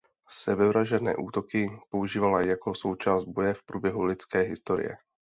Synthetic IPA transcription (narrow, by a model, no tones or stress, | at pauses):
sɛbɛvɾaʒɛnɛ̰ːʔuːt̪o̞kɪpo̞uʒiːvalajako̞so̞wt͡ʃaːzd̪̚bo̞jɛfpɾuːbjɛɦulɪt͡skɛːɦɪst̪o̞ɾɪ̰jɛ̰